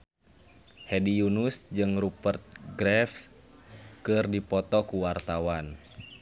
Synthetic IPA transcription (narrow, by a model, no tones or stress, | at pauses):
hɛdijunusd͡ʒɨŋrupərt̪̚ɡɾɛfs | kɨrdipɔt̪ɔkuwart̪awan